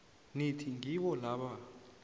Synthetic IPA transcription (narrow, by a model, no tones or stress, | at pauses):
nitʰiŋɡikɔlaɓa